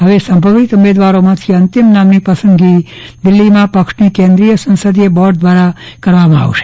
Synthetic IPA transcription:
ɦəʋesəmbʱəʋit̪uʋed̪ʋaɾomãt̪ʰiənt̪ɪmnamnipəsənɡi | d̪ɪlːimãpəkʂnikẽnd̪ɾijəsə̃nsəd̪ijebɔɖd̪ʋaɾa | kəɾʋamãa̰ʋʃe̥

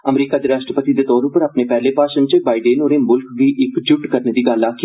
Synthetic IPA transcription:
əmɾiːkaːd̪eːɾaːʃʈɾəpət̪iːd̪eːt̪ɔːɾʊpəɾaːpneːpɛːleːpaːʃənt͡ʃəbaːiɖeːnoːɾeːmʊlkʋiːʔɪkd͡ʒʊʈkəɾneːd̪iːɡəlaːkː

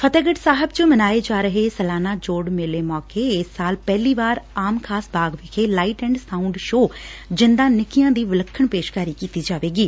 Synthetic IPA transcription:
pʰət̪eːɡəʈsaːɦəbt͡ʃəmənaːeːd͡ʒaːɾəɦeːsəlaːnaːd͡ʒoːɽmɪleːmɔːkeːɪsːaːlpɛːliːʋaːɾaːmkʰaːsbaːɡʋɪkʰeːlaːiʈɛ̃ːɳɖsaːʊɳɖʃoːd͡ʒɪnd̪ãːnɪkijãːd̪iːʋɪləkʰːəɳpeːʃkaːɾiːkiːt̪iːd͡ʒaːʋeːɡiː

